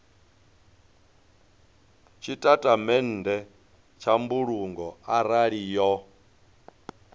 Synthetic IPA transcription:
t͡ʃʰitʼatʼamɛn̩ːdɛ | t͡ʃʰambuɺuŋɡɔaɾaɺijɔ

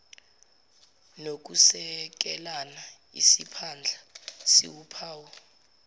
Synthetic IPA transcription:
nok̬usɛk̬ɛlana | ḭsipʰand͡ɮʱasḭwupʰaːwɔ

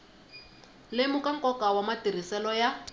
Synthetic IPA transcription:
lemʊkaŋkʼɔkawamatir̤isɛlɔja

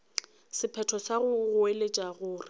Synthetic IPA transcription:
sɪpʰɛtʰɔsaɣʊɣʊelet͡ʃʼaɣʊːrɪ

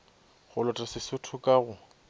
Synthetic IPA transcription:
χʊlɔtʼasɪsʊtʰʊkʼaːɣʊ

